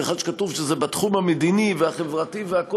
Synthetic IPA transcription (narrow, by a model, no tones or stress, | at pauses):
eχad̪ʃe̥katuvʃezebat̪χumhamed̪iniveaχevʁativeako